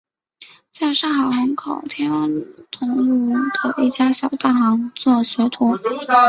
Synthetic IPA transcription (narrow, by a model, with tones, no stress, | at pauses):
t͡ɕa˥˧ɪʂɑ˥˩ŋxɑ˨˩ʊxɑ˧˥ŋkʰo˨˩ʊt̪ʰjɛ˥nwa˥˩nt̪ʰʊ˧˥ŋu˥˩d̪̥ə˩ʔi˥˩t͡ɕja˥ɕjɑ˨˩ʊt̪a˥˩xɑ˧˥ŋt͡swɔ˥˩ɕɥɛ˧˥t̪ʰu˧˥